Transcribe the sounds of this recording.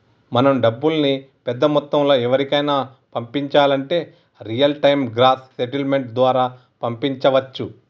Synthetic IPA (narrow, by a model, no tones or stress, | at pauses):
mɐnɐmɖɐbːulɐni | pɛd̪ːɐmɔt̪ːɐmlo̞ːɛʋɐɾikɐjnaː | pɐmpiɲt͡ʃaːlɐɳʈe̞ː | ɾijɐlʈɐjmɡɾaːt̪seʈilme̞ɳʈ̚d̪ʋaːɾaː | pɐmpiɲt͡ʃɐʋɐt͡ʃːu